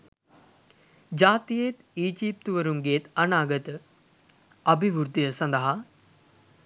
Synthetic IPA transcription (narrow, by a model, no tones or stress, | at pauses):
d͡ʒaːt̪ijet̪iːd͡ʒiːp̚t̪uʋəɾumɡeːt̪ɐnaːɡət̪ə | ɐbiʋuɾt̪ijəsɐnd̪ɐɦa